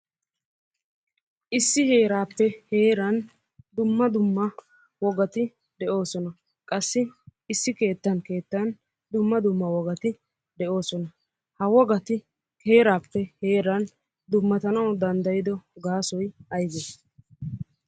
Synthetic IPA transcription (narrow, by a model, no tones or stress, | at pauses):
ʔɪsːɪhe̞ːɾaːpːɛheːɾɐn | d̪ʊmːɐd̪ʊmːɐ | wɔɡɐt̪ɪ | d̪ɛʔo̞ːsɔnɐ | kʼɐsːɪɪsːɪke̞ːt̪ːɐnke̞ːt̪ːɐn | d̪ʊmːɐd̪ʊmːɐwɔɡɐt̪ɪ | d̪ɛo̞ːsɔnɐ | hɐwɔɡɐt̪ɪ | ke̞ːɾaːpːɛhe̞ːɾɐn | d̪ʊmːɐt̪ɐnɐwd̪ɐnd̪ɐjɪd̪ɔɡaːsɔjɐjɡeːs